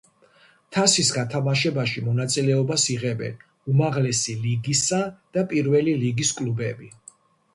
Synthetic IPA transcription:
t̪ʰasisɡat̪ʰamaʃɛbaʃimɔnat̪sʼilɛɔbasiʁɛbɛ̰n | umaʁlɛsiliɡisad̪̥apʼiɾvɛliliɡiskʼlubɛbi

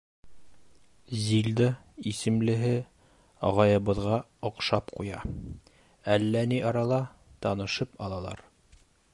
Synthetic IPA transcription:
zild̪ɑ | isɘ̆mlɘ̆ɦɘ | ɑʁɑjɤ̆βɤ̆ðʁɑ | ŏqʃɑpqujɑ̰ | ælːæniʔɑɾɑlˠɑ | t̪ɑnɤ̆ʃɤpɑlˠɑlˠɑ̰ɾ

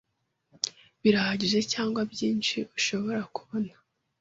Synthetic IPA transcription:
βiɾahaɟiʒe̞caːŋɡwabjiːnʃiuʃo̞βo̞ɾakuβo̞nḁ

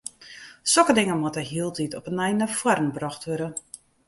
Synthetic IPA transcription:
sɔkədɪŋəmɔtəɦiəlˠtitʰɔpənɛjnəfwarn̩brɔxtʋøɾə

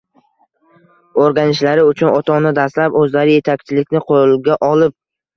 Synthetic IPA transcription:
oɾɡʲanɪʃlaɾɪʊt͡ʃʰʊnɒt̪ʰɒnɪd̪aslapɵzlaɾɪje̞t̪ʰakʲt͡ʃʰɪlɪkʲnɪqʰolɡʲaʔɒlɪp̚

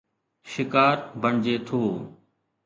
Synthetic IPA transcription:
ʃɪkaːɾbəɳd͡ʒeːt̪ʰoː

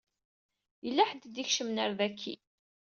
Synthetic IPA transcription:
jəlːæħəd̪d̪içʃəmnəɾðækʰːḭ

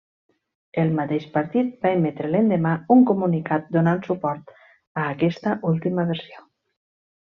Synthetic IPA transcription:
elˠmat̪eʃpaɾt̪it̪̚baemet̪ɾelend̪emauŋkumunikat̪̚d̪onansupɔɾt̪ | aːkɛst̪aʔulˠt̪imaβeɾsio

